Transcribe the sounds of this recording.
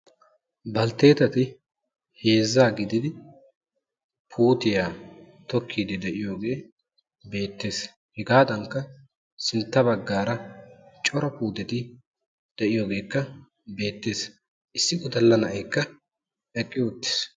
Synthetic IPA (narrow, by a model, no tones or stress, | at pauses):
bɐlt̪e̞ːt̪ɐt̪ɪ | he̞ːzːaːɡɪd̪ɪd̪ɪ | pʰuːt̪ɪjaː | t̪ɔkʰːiːd̪ɪd̪ɛʔɪjoːɡe̞ː | be̞ːt̪ːe̞ːs | hɛɡaːd̪ɐŋkːɐ | sɪnt̪ːɐbɐɡːaːɾɐt͡ʃʼɔɾɔpuːt̪ɛt̪ɪ | d̪̥ɛʔɪjo̞ːɡe̞ːkːɐ | be̞ːt̪ːe̞ːs | ʔɪsːɪɡɔd̪ɐlːɐnɐʔɐjkːɐ | ɛkʼːɪʊt̪ːɪ̥s